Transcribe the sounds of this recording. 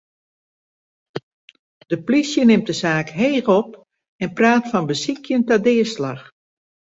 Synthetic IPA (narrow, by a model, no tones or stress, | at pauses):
d̥əplisjənɪm̚dəzaːkɦeːɣɔp | ɛnpraːtfɔnbəsikʰjəntadɪəslax